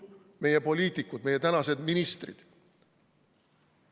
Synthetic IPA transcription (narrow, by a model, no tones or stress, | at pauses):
me̞jepo̞lʲiːt̪ikːud̪̥me̞jːe̞t̪ænɑse̞d̪minist̪rḭd̪̥